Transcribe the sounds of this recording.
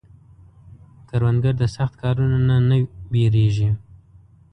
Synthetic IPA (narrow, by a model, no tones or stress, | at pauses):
kaɾwand̪ɡaɾd̪əsaxt̪kɑɾunananaweɾeʒi